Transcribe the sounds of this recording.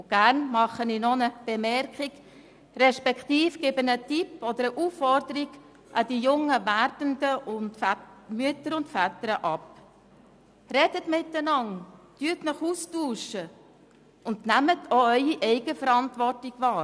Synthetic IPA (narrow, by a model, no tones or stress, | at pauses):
ɡ̥æɾnmɑχːəninonəb̥ɛmɛɾkχiɡ | ɾɛʃpɛkχtiːfɡ̥ɪbənətipːɔd̥̪əɾəʔuːfːɔɾdəɾiɡ | ʔɑd̥ijʊŋːəvæɾdəndəʊntmyətəɾʊntfætəɾəʔɑp | ɾɛd̥ətmɪtːənɑntyːtnəχuːstuːʃə | ʊndnæmətʰoœʏiʔɛɪɡ̥əfəɾɑntvɔrtiɡ̥vɑːɾ